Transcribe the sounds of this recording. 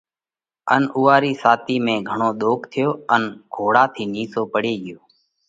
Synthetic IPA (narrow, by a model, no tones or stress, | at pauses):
ənuːaːɾiːsaːt̪iːmẽːɡʱəɳoːɗ̪oːkʰt̪ʰɪjoːənɡ̥ʱoːɽaːt̪ʰiːniːsoːpəɽeːɠɪjoː